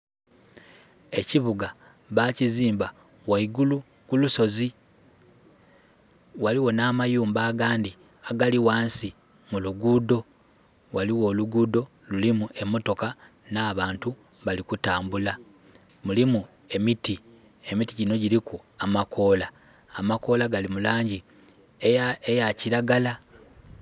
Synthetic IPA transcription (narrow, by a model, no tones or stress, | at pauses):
e̞ciβuɡa | βaciziːmba | waiɡulu | kuluso̞zi | waliwo̞naːmajuːmbaːɡaːndi | aɡaliwaːnsi | muluɡuːdo̞ | waliwo̞ːluɡuːdo̞ | lulimuʔe̞mːoto̞ka | naːβaːntu | βalikutaːmbula | mulimu | e̞miti | e̞mitiɟino̞ɟiɾiku | amako̞ːlaː | mako̞ːlaɡalimulaːɲɟi | eejaciɾaɡala